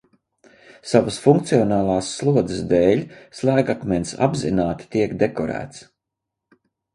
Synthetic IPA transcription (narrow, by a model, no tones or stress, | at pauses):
savəsfuŋkt̪siɔnaːlˠɑːsːlˠuɔd̪əsd̪ɛːlʲslˠæːɡakmʲɛnsa̰bzinaːt̪i̥t̪iɛkd̪ekɔɾæ̰ːt̪s